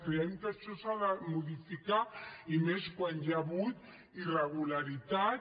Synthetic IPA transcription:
keent̪aʃosaðamuðifikaimeskwanjaβut̪ | ireɣulaɾit̪a

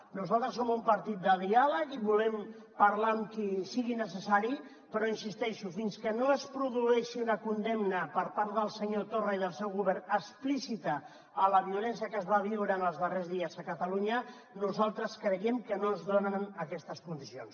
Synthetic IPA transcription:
nuzalˠt̪ɾəsomumpəɾt̪it̪̚d̪əðialəkiβulɛm | pəɾlamkisiɣinəsəsaɾi | pəɾɔinsist̪ɛʃufinskənoəspɾuðuɛʃiunəkund̪ɛmnəpəɾpaɾt̪ðəlˠsəɲot̪orəiðəlˠsɛwɣuβɛɾnəsplisit̪ə | ələβiulɛnsiəkəzβaβ̞iwɾəːnəlˠzðərezðiəzəkət̪əluɲə | nuzalˠt̪ɾəskɾəjɛmkənozðonənəkɛst̪əskund̪isions

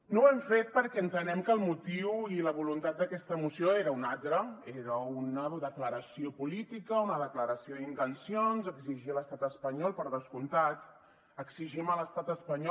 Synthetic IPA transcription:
nowɛmfet̪̚pəɾkɛənt̪ənɛmkəːlˠmut̪iwiləβulunt̪at̪̚d̪əkɛst̪əːmusioeɾəunalt̪ɾəeɾəunəðəkləɾəsiopulit̪ikəunəðəkləɾəsioðint̪ənsionzəkziʒiələst̪at̪əspəɲɔlˠpəɾðəskunt̪at̪ | əksiʒimələst̪at̪əspəɲɔ

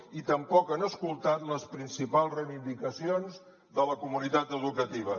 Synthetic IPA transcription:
it̪əmpɔkənəskulˠt̪at̪ləspɾinsipalˠzrəjβind̪ikəsionz | ðələkumunit̪at̪əðukət̪iβ̞ə

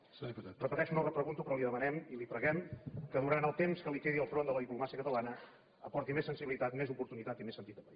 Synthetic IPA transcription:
spt̪at̪rəpət̪ɛʃunorəpɾəɣunt̪upɾɔliðəmənɛmilipɾəɣɛmkəðuɾant̪əlˠt̪emskəlikɛðiəlˠfɾond̪ələðiplumasiəkət̪əlanə | əpɔɾt̪imesːənsiβilit̪at̪mezupuɾt̪unit̪at̪imesənt̪it̪əpəi

